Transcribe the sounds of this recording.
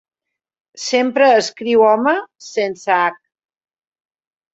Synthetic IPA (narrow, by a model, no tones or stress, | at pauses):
sempɾəːskɾiwɔməsensəak̚